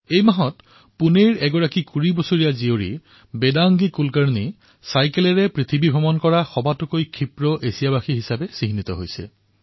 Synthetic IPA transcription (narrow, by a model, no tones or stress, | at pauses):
ejmaɦɔt | puneɹɛɡɔɹakikuɹibɔsoɹijazioɹḭ | bedaŋɡikulkaɹni | sajkelɛɹɛpɹit̪ʰibibʱɔmɔnkɔɹaxɔbatʊkojkʰipɹɔʔesijabaxiɦisabɛsiɦinit̪ɔ̰ɦojsɛ̰